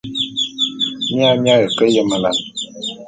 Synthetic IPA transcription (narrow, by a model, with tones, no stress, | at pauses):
mi˦a˦mja˦ɣə˨kə˦jə˦ma˨la˨n